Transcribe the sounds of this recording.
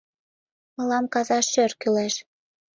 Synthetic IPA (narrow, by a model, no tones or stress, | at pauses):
mɤ̆lɑmkɑzɑʃørkylæʃ